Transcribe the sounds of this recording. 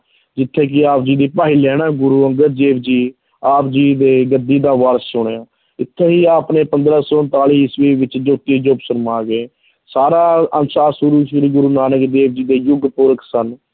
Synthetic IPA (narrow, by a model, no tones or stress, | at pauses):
d͡ʒɪt̪ʰːeːkɪaːp̚d͡ʒiːd̪eːpaːɦiːlɛːnãːɡʊɾuːəŋɡəɾd̪eːʋd͡ʒiː | aːpd͡ʒiːd̪eːɡəd̪iːd̪aːʋaːɾəssʊɳ̃eːãː | ɪt̪ʰːeːɦiːaːpneːpə̃nd̪ɾaːsɔːnt̪aːliːɦɪsʋeːʋɪt͡ʃd͡ʒʊt̪iːd͡ʒʊpsəɾmaːɡeː | saːɾaːənsaːsʊɾuːʃɪɾiːɡʊɾuːnaːnəkd̪eːʋd͡ʒiːd̪eːjʊɡpʊɾəkʰsən